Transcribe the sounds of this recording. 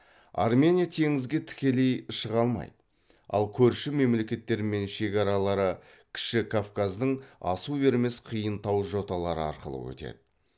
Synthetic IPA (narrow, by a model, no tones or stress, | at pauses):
a̰rmʲe̞nʲijat̪ʰe̞ŋɪzɡʲe̞t̪ʰɪ̥kʲe̞le̞jʃəʁɑlˠmɑ̰jd̪ə | ɑ̰lˠkʲʰɵɾʃɪme̞mle̞kʲe̞t̪ːe̞ɾɪme̞nʃe̞kʲɑɾɑlˠɑɾə | kʲʰɪ̥ʃɪkʰofkazd̪əɴɑ̰sube̞ɾme̞sqʰijənt̪ɑwʒo̞t̪ɑlˠɑɾə̰ɑ̰ɾqəlˠə̰wɵ̰t̪ḛd̪̥ɪ